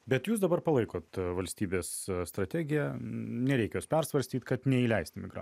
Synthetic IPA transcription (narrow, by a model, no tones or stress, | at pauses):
bʲɛt̪juːs̬d̪ɐbɐɾpɐlˠɐɪkoːt̪ʋɐlʲsʲt̪ʲiːbʲeːssːt̪ɾɐt̪ʲæːɡʲɪjɛnʲɛɾʲɛɪkʲɛjoːspʲɛɾsʋɐɾʲsʲt̪ʲiːt̪kɐt̪nʲɛiːlʲɛɪsʲt̪ʲɪmʲɪɡɾɑ̰